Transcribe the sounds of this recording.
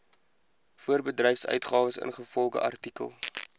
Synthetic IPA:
fuərbədrɛjfsœ̰ɥtχɑːvəsə̰nχəfɔlˠχə̰ʔɐrtikə̰lˠ

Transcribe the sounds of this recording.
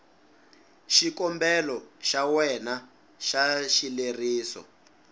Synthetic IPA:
ʃikɔmbɛlɔʃawɛna | ʃaʃileriːsɔ̰

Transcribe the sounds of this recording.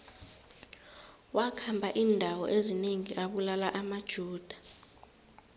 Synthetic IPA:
wakʰambʱaʔiːndʱawɔ̰ʔezineŋiʔaɓulalaʔamad̥ʒ̥ʱuːd̥ʱḁ

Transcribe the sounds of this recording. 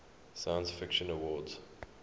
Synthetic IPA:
sajə̃nsfɪkʃə̃nəwɔːdz̥

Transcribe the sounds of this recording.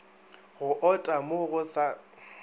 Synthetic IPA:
ɣʊʔɔtʼamoɣʊsa

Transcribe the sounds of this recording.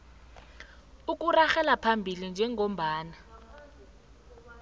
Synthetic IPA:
uk̬ʼuraxɛlapʰambʱilind͡ʒʱɛŋom̩ɓaːna

